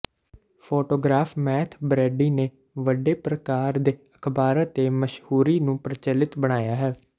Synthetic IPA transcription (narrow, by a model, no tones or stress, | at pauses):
pʰoːʈoːɡɾaːfmɛːt̪ʰbɾɛːɖiːneː | ʋəɖeːpɾəkaːɾd̪eːəkʰbaːɾət̪eːməʃhuːɾiːnũːpɾət͡ʃəlɪt̪bəɽ̃aːjaːɦɛː